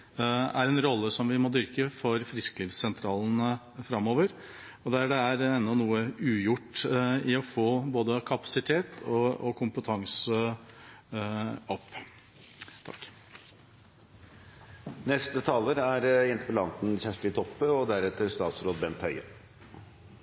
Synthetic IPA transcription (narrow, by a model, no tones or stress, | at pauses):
æɾɛnɾɔlːəsɔmʋɪmɔd̪ʏɾkəfɔɾfɾɪskliːʋssɛnt̪ʰɾɑːlən̩ə | fɾɑmːoːʋəɾ | ɔd̪ɛæɖɛæɾɛnːɔnuːəʉːjʊʈːɪɔfoːboːd̪əkʰɑpɑ̥sɪt̪ʰeːt̪ʰɔɔkʰʊmpət̪ʰɑŋsə | ɔpː | t̪ʰɑ̰k | nɛst̪ət̪ʰɑːləɾæɾɛnt̪əpʰɔlɑ̰nt̪n̩çæʂʈɪt̪ʰɔpːəɔd̪æɾɛt̪əɾst̪ɑːt̪sɾoːd̪bɛnt̪hœʏɑ